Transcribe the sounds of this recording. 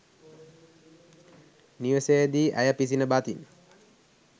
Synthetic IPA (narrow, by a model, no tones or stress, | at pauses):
niʋəsejəd̪iːʔæ̰jəpisinəbat̪in